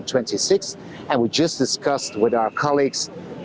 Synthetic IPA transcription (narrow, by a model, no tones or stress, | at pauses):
tʰw̥ɛ̃ntisɪks | ɨ̃nwid͡ʒʌsd̥ɨskʌst̚wɪðaʊə˞kʰɑlˠiɡz̥